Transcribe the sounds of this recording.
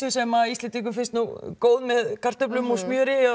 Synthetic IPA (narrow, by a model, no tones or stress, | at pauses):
ʏsɛmaist̪lɛnt̪iŋk̬ʏfɪnst̪nuɣkoːwðmɛðkʰar̥t̪ʏp̬lʏmɔsmjœːɾɪ